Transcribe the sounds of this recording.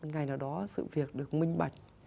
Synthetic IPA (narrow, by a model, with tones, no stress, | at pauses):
nŋa˨˩jnaː˨˩wɗɔ˨˦sɨ̰˧˨vi˨˩ək̚ɗɨ˨˩ək̚mï˧ŋ̟ɓa˨˩jk̟̚